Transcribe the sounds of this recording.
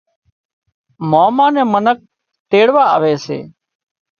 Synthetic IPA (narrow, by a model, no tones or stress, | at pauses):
moːmãːnẽːmənək̚ | t̪eːɽʋaːə̰ʋeːsḛː